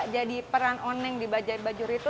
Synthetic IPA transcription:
d͡ʒadipəɾanonɛŋdibad͡ʒʊrbad͡ʒʊɾit̪u

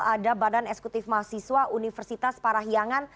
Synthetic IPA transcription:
adabadanɛksɛ̥kut̪ɪfmaasiswaʔunifɛrsit̪aspaɾaɦiaŋan

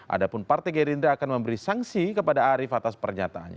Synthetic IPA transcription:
ʔa̰dapʊnpart̪aɡɛɾind̪ɾaakanməmbəɾisaŋsikəpadaːɾɪfat̪aspərɲat̪aa̰nɲ

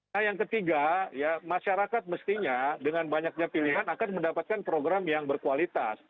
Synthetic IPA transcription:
ajaŋkət̪iɡajamaʃaɾakat̪̚məst̪iɲadəŋanbaɲak̚ɲapiliɦanakanməndapat̪̚kanpɾoɡɾamjaŋbərkualit̪a̰s

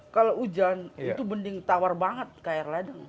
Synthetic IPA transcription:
kaloud͡ʒanit̪ubəndɪŋt̪awarbaŋət̪̚kajɛrladəŋ

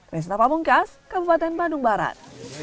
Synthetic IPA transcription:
prɛs̬t̪apabuŋkaskəbupat̪ɛnbaduŋbaɾa̰t̪̚

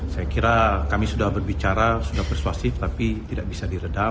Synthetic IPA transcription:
sajakiɾakamisudahbərbit͡ʃaɾasudahpərsuasɪft̪apit̪idaʔ̚bisadiɾəda

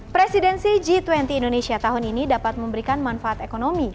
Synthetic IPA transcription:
pɾesidɛnsid͡ʒit̪wɛnt̪iːndonesiat̪aɦuninidapat̪̚məmbəɾikanmanfaat̪ekonomi

